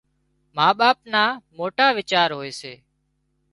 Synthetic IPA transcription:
maːɓaːp̚naːmoːʈaːʋɪt͡ʃaːɾɦoːeːseː

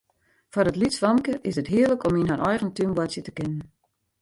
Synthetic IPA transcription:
fɔrətlitsʋɑmkəʔɪsətɦiələkɔminɦanʔɔjɣəntymbwɔtsjətəkɪnən

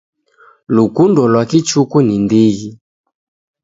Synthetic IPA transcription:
lukundɔlwakit͡ʃukunindiɣi

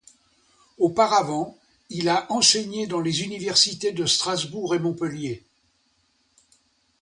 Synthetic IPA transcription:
opaʁavɑ̃ | ilaʔɑ̃seɲed̪ɑ̃lezynivɛʁsit̪ed̪əst̪χazbuʁemɔ̃pəlje

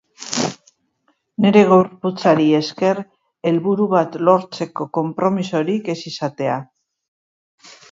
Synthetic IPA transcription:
ne̞ɾe̞ɣowɾput͡saɾie̞ske̞r | e̞lβuɾuβat̪lo̞ɾt͡se̞ko̞ko̞mpɾo̞miso̞ɾike̞sisat̪e̞a

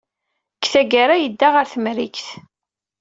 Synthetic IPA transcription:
kθæɡaɾajəd̪ːaʁəɾθmɾikθ

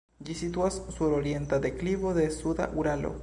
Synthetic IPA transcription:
d͡ʒisit̪uasːuɾoɾjent̪ad̪ekliβoðesuða̰ʔuɾalo̰

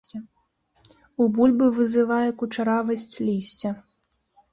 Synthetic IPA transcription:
ubulʲbɨvɨzɨvajɛkut͡ʂaɾavɐsʲt͡sʲlʲisʲt͡sʲɐ

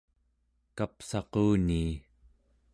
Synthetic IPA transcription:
kapsɑquːniː

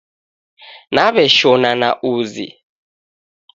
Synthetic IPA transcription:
naβɛʃɔnana̰ʔuːzḭ

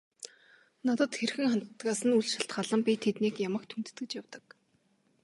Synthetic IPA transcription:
nat̪ə̆t̪xerxɘ̆ŋχant̪t̪ɢaːsə̆nuɮʃaɬt̪ɢaːɮə̆mpʲit̪ʰet̪niːkjamə̆k̚t̪ʰunt̪ɘ̥̆t̪ɡɘ̆t͡ɕjawt̪ə̆k

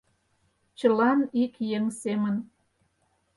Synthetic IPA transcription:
t͡ɕəlɑnikjəŋsemən

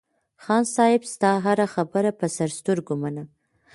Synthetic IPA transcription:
xɑnsɑjɪbst̪ɑɦaɾaxabəɾapəsaɾst̪əɾɡomana

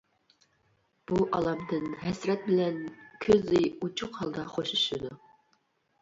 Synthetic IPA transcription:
b̥uʔɑlˠɑmd̪ɨnɦɛsɾɛt̪̚bɪlɛnkʲʰøzɪut͡ʃʰʊqhɑlˠd̪ɑχoʃuʃud̪u

